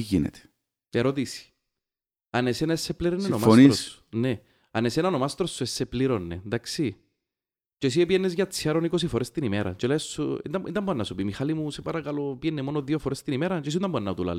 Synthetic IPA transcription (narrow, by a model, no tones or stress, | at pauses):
iʝinḛt̪e̥ | eɾot̪isi̥ | ɐnesenɐesːepliɾenːenomaoniɾsne | ɐnesenanomast̪ɾosːuesːepliɾonːed̪aksi | ces̬iepijenːezʝɐt͡sʰːiɐɾonikos̬ifoɾest̪inimeɾɐ̰t͡ʃelesuḭnt̪ɐint̪ɐmbonːɐsupimixalimusepɐɾɐkɐlopienːemonoðiofoɾest̪inimeɾɐt͡ʃes̬int̪ɐmbonːɐt̪ula̰l